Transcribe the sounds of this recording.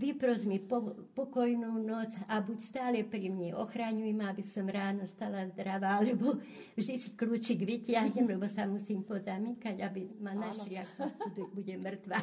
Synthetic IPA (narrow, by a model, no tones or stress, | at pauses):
ʋipɾɔzmipɔpɔkɔjnuːnɔt͡sabucst̪aːlɛpɾimɲɛɔxɾaɲujɛmabisɔmɾaːnɔst̪alazd̪ɾaʋaalɛbɔ | vʒd̪isi̥kluːt͡ʃiɡʋitɪaɦɲɛmlɛbɔsamusiːmpɔzamiːkaɟabimanaʃlɪak̪ud̪ubuɟɛmr̩t̪ʋa